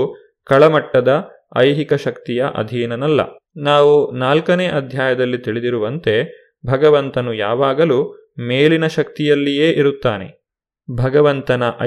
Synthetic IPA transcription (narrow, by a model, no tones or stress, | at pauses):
kɐɭɐmɐʈːɐd̪ɐ | ɐ̰jɦikɐʃɐkt̪ijɐʔɐ̰d̪ʱiːnɐnɐlːɐ̰ | naːʋunaːlkɐneːʔɐd̪ʱjaːjɐd̪ɐlːit̪iɭid̪iɾuʋɐnt̪e̞ | bʱɐɡɐʋɐnt̪ɐnujaːʋaːɡɐlu | meːlinɐʃɐk̚t̪ijɐlːije̞ːʔiɾut̪ːaːne̞̰ | bʱɐɡɐʋɐnt̪ɐnɐʔɐ̰